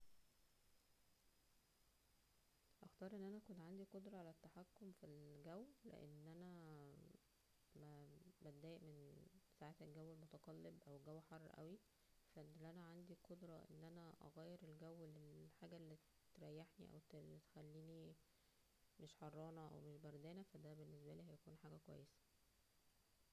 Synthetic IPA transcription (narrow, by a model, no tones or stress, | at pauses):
ʔɑxt̪ɑːɾˤʔenːʔænækont̪ʕand̪iqod̪ɾˤɑʕalæt̪ːaħakːomfilɡæwlḛʔḛnːʔænæ | mæbæd̪æːʔmensaʕet̪ælɡæwːelmot̪ɑqɑlːebʔæwɡæwːħɑrˤːʔæ̰wi | fænlʔænæʕand̪iqod̪ɾˤɑʔḛnːʔænæʔɑ̰ɣæːjːeɾelɡæwːlelħaːɡælːi | t̪ɾˤæjːeħniʔæ̰w̪lt̪e̥xælːiːni | meʃħɑrˤːɑːnɑʔæ̰wmeʃbɑɾˤd̪æːnæfæd̪æbenːes̬bæliːhæjækuːnħaːɡækwæ̰jːesæ̥